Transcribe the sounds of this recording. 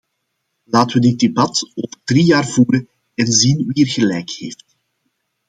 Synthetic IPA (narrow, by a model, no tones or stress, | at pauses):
laːtəʋədɪt̚debɑtoːvədriːjaːrvuːɾən | ɛnzinʋiərɣəlɛjkheːft